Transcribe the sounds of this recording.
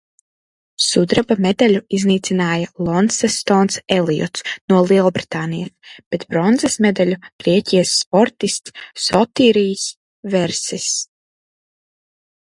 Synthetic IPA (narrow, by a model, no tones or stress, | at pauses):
sud̪ɾabamed̪alʲuizniːt̪sʲinaːjalˠɔnsɛst̪ɔːnsɛlˠijɔ̰t̪snuɔlˠiɛlˠbɾi̥t̪aːnijasb̥ɛt̪bɾɔnzasmɛd̪alʲuɡ̥ɾiɛcʲijasːpɔɾt̪ist̪sːɔt̪iːɾijs | vɛɾsis